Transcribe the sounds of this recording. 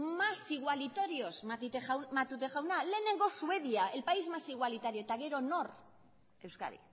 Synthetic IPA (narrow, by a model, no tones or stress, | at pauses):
masiɣwalit̪o̞ɾio̞smat̪it̪emat̪ut̪eʝawnale̞ːne̞ŋɡo̞sue̞ðiaelpaizmasiɣwalit̪aɾioet̪aɣe̞ɾo̞no̞r | e̞wska̰ɾḭ